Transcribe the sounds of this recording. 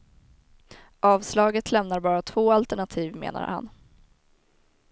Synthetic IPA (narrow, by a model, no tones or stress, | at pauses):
ʔɑːvslɑːɡət̪ʰlɛmnaɾbɑːɾat̪ʰv̥oːalt̪ɛɳat̪ʰiːvmḛːna̰ɾha̰n